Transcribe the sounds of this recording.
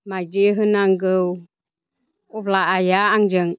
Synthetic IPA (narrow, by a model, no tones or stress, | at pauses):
majd͡ʒiɦənaŋɡəw | ublaʔajaaŋd͡ʒəŋ